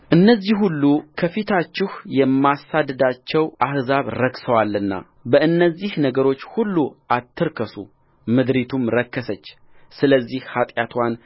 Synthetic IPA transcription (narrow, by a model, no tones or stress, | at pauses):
ʔɨnːəzːihhulːukʰəfit̪ʰat͡ʃːɪhjɛmːasad̪ɨd̪at͡ʃːɛwʔahzaβɾəksəwalːɨnːa̰ | bəʔɨnːəzːihnəɡəɾo̞t͡ʃːhulːuʔat̪ʰːɨɾkʰəsṵ | mɨd̪ɾit̪ʰumɾəkːəsət͡ʃː | sɨləzːihhat̪ʼjat̪ʰwan